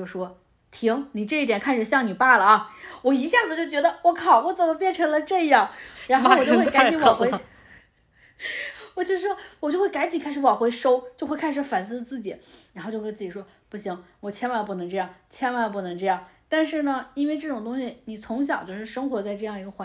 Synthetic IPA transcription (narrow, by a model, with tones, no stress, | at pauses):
o˥˩ʊ˩ʂwɔ˥ | t̪ʰi˧˥ŋni˨˩ʈ͡ʂɤ˥˧i˥˩jɛ˨˩nkʰa˥˩nʂɻ̩˨˩ɕjɑ˥˩ŋni˨˩pa˥˩lə˩ɐ˩wɔ˨˩i˧˥ɕja˥˩d͡zɹ̩˩t͡ɕjo˥˩ʊt͡ɕɥɛ˧˥d̪ə˧wɔ˧˥kʰɑ˨˩ʊwɔ˧˥t͡sə˨˩nmə˦pjɛ˥˩nʈ͡ʂʰɤ˧˥ŋlə˧ʈ͡ʂɤ˥˧jɑ˥˩ŋɻa˧˥nxo˥˩˨wɔ˨˩t͡ɕjo˥˧xwka˥t͡ɕi˧˥wɑ˨˩xe˧˥ɪ | wɔ˨˩t͡ɕjo˥˧ʊʂɻ̩˥˩ʂwɔ˥wt͡ɕjo˥˧ʊxe˥˩ka˧˥ɪt͡ɕi˨˩kʰa˥ʂ̩˧˥wɑ˨˩xwe˧˥ɪʂo˥ʊt͡ɕjo˥˧xwkʰa˥ɪʂɻ̩˧˥fa˨˩nsɹ̩˥˧t͡sɹ̩˥˩t͡ɕi˨˩˦ɻxo˥˧t͡ɕjo˥˧kn˥t͡sɹ̩˥˩t͡ɕi˨˩ʂwɔ˥ | pu˥˩ɕi˧˥ŋ | wɔ˨˩t͡ɕʰjɛ˥nwa˥˩pu˥˩nɤ˧˥ŋʈ͡ʂɤ˥˧jɑ˥˩ŋt͡ɕʰjɛ˥nwa˥˩p̬u˥˩nɤ˧˥ŋʈ͡ʂɤ˥˧jɑ˥˩ŋt̪a˥˧nʂɻ̩˥˩nə˩i˥nwe˥˧ɪʈ͡ʂɤ˥˩ʈ͡ʂʊ˨˩ŋt̪ʊ˥ŋɕi˨˩ni˨˩t͡sʰʊ˧˥ŋɕ̬jɑ˨˩˦t͡ɕjo˥˧ʊʂɻ̩˥˩ʂɤ˥ŋxwɔ˧˥t͡sa˥˧ɪʈ͡ʂɤ˥˧jɑ˥˩ŋi˧˥ɡə˧xwa˧˥